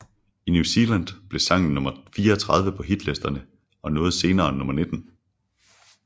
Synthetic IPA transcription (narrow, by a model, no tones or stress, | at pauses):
inusiːlænd̥b̥le̝sɑ̈ŋ̰n̩nːɔ̽mɐfiːɐɒt͡sʰʁɑ̈ð̞ˠʋəpʰɒ̽ɦid̥lesd̥ɐnə | ɒ̽nɔ̽ːð̩ˠse̝ːnɐːnːɔ̽mɐne̝d̥n̩